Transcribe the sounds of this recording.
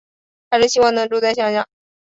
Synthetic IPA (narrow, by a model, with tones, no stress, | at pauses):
t̪ʰa˥ʂɻ̩˥˩ɕi˥wɑ˥˩ŋnɤ˧˥ŋʈ͡ʂu˥˧t͡sa˥˧ɪɕjɑ˥˧ŋɕjɑ˥˩ŋ